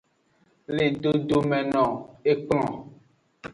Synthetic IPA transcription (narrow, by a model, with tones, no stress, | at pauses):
le˨ɖo˦ɖo˦mɛ̃˨nɔ̃˨e˦k͡pl̃ɔ̃˨